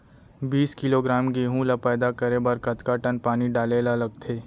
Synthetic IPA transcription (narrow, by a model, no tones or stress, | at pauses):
biːskɪloːɡɾaːmɡeːɦũlapɛːd̪akəɾebɐɾkət̪kaʈənpaːniɖaːlelalɐɡt̪ʰeː